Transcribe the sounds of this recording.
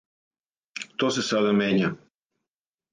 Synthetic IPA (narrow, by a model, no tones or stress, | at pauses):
t̪osesad̪ameɲa